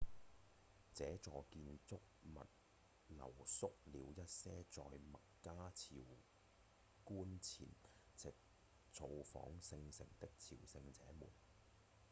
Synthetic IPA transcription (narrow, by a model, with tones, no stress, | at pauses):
t͡sɛː˨˥t͡sɔː˨kiː˧nt͡sʊ˥k̚mɐ̰˨t̚ | lɐ̰˨˩wsʊ˥k̚liː˨˧wjɐ˥t̚sɛː˥t͡sɔː˨˧jmɐ˨t̚kaː˥t͡sʰiː˨˩w | kuː˥nt͡sʰḭː˨˩n | t͡sɪ˨k̚ | t͡sʰo˧wfɔ̰ː˨˥ŋsɪ˧ŋsɪ̰˨˩ŋt̪ɪ˥k̚t͡sʰḭː˨˩wsɪ˧ŋt͡sɛː˨˥mṵː˨˩n